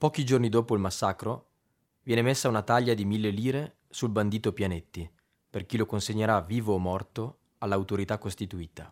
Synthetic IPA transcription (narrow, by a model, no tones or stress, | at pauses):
pɔːkid͡ʒornid̪oːpoilmasːakɾo | vjɛːnemesːaunat̪aʎːad̪imilːeliːɾe | sulband̪iːt̪opjanet̪ːi | perk̟ilokonseɲːeɾaviːvoːmːɔrt̪o | alːawt̪oɾit̪akːost̪it̪uiːt̪a